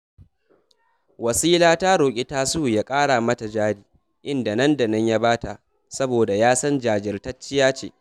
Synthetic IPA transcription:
wɐ˨siː˦laː˦taː˦ɽoː˨kʲʼɪ˦taː˦suː˦˨jaː˦kʼaː˦ɽa˨mɐ˦ta˨d͡ʒaː˦ɽiː˨ | ʔɪ˦nda˨nɐ˦nda˨nɐ˦ɲja˦baː˦ta˨ʔ | sɐ˦boː˨da˨jaː˦sɐ˦nd͡ʒaː˨d͡ʒɪ˨rtɐ˦t͡ʃːɪ˦jaː˦t͡ʃḛː˨

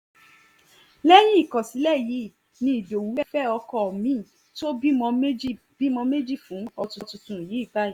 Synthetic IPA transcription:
lɛ˦j̃ĩ˦i˨kɔ̃˨si˨˦lɛ˦˨ji˨˦˨ | nĩ˧i˨do˨wu˨˦ɛ˦fɛ˦ɔ˧kɔ˧˨mĩ˨˦˨ | to˦bi˦mɔ̃˧me˦d͡ʒi˦ | bi˦mɔ̃˧me˦d͡ʒi˦˨fũ˨˦ɔ˧tũ˧tũ˧tũ˨ji˨˦i˦˨ɡ͡ba˦i˨

